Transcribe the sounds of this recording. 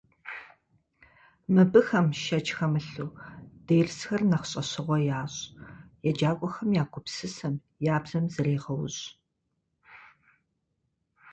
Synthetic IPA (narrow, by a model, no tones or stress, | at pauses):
mɨbɨxɐmʃɐt͡ʃʼxɐmɨɬuːd̥ejrsxɐrnɐχɕʼɐɕɨʁʷɔjaːɕʼjɛd͡ʒaːkʷʼɔxɐmjaːɡʷʼʊpsɨsɐm | jaːbzɐmzɨɾeːʁɐwɕ